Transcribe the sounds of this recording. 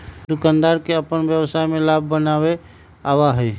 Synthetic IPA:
d̪ʊkãːnd̪aːɾkeəpənbjəʋsaːimẽlaːb̚ʱːənaːwe | awaɦɛi

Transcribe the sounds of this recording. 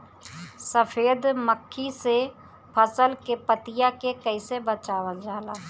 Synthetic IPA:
səpʰeːd̪məkʰːise | pʰəsəlkepət̪ɪjakekəɪsebət͡ʃaːwəld͡ʒaːlaː

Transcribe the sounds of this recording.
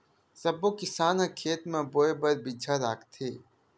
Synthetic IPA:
sɐbokɪsaːnãkʰeːt̪mẽboːebɐɾbid͡ʒʰʱaɾaːkt̪ʰeː

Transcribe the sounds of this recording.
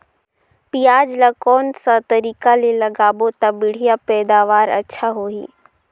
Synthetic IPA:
pijaːd͡ʒlakɔːnsat̪ɐɾiːkalelɐɡaːbot̪abɪɽ̤ijapɛːd̪aːʋaːɾɐ̰tːʃʰaɦoːḭː

